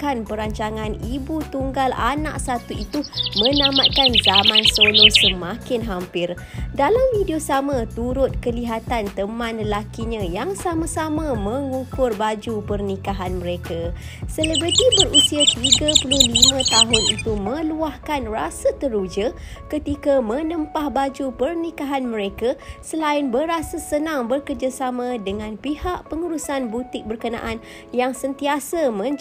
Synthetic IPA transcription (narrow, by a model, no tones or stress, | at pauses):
kanpəɾaɲt͡ʃaŋanibut̪uŋɡala̰nã̰ʔsat̪uit̪umə̃namat̪̚kanzamãnsolosəmãkɪnɦampɪr | dalamvidiosamãt̪uɾʊt̪̚kəliɦat̪ant̪əmãnləlakiɲãjaŋsamãsamãmə̃ŋukʊrbad͡ʒupərnikaɦanmə̃ɾeka | sələbɾət̪ibərusiatɾiɡapulʊhlimãt̪aɦʊnit̪umə̃luahkanrasət̪əɾud͡ʒəkət̪ikamə̃nəmpahbad͡ʒupərnikaɦanməɾekasəlaɪnbəɾasasənaŋbərkərd͡ʒasamãdəŋãnpihaʔpəŋuɾusanbut̪ɪk̚bərkənã̰ʔan | jaŋsənt̪iasamə̃ɲ